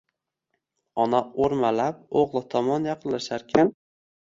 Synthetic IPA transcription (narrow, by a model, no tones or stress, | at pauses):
ɒnaoɾmalap̚oʁlˠɨt̪ʰɒmɒnjɑqʰɨllːaʃaɾkʲʰan